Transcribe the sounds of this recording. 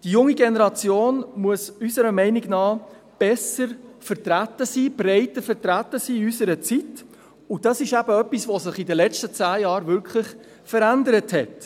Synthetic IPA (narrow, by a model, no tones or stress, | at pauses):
d̥ijʊŋiɡenəɾɑt͡sjoːnmuəsysəɾəmɛɪnɪɡnɑː | b̥ɛsəɾfəɾtɾætəsiːb̥rɛɪtəɾfəɾtɾætːəsiːysəɾət͡sit | ʊd̥ɑsɪʃæbəœpːisʋosɪχidəlɛt͡ʃtət͡sæːjɑːɾvʏɾkχlɪχ | fəɾændəɾəthɛt